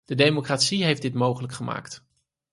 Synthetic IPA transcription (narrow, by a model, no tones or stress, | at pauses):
d̥ədejmokraːtsiɦejfdɪtmowχələkχəma̰ːkt